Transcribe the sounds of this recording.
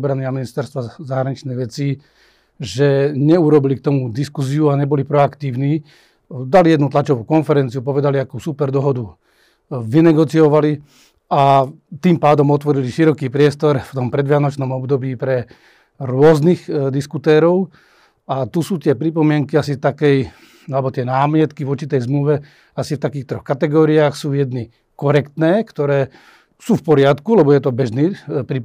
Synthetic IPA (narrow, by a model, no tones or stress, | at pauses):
bɾaniaminist̪ɛɾst̪ʋazaɦɾaɲit͡ʃnɛjʋɛt͡si | ʒɛɲɛuɾɔbilikt̪ɔmud̪iskuziuaɲɛbɔlipɾɔakt̪iːʊniː | d̪alijɛd̪nut̪lat͡ʃɔʋukɔnfɛɾɛnt͡siupɔʋɛd̪aliakusupɛɾd̪ɔɦɔd̪u | ʋinɛɡɔt͡siɔʋali | a | t̪iːmpaːd̪ɔmɔt̪ʋɔɾiliʃiɾɔkiːpɾɪɛst̪ɔɾft̪ɔmpɾɛd̪ʋɪanɔt͡ʃnɔmɔbd̪ɔbiːpɾɛ | ɾʊɔznixd̪iskut̪ɛːɾɔʊ | at̪usuːt̪ɪɛpɾipɔmɪɛŋkiasit̪akɛj | alɛbɔt̪ɪɛnaːmɪɛt̪kivɔɾt͡ʃit̪ɛjzmluʋɛ | asift̪akiːxt̪ɾɔxkat̪ɛɡɔːɾiaːxsuːjɛd̪ni | kɔɾɛkt̪nɛːkt̪ɔɾɛː | suːfpɔɾɪat̪kulɛbɔjɛt̪ɔbɛʒniːpɾi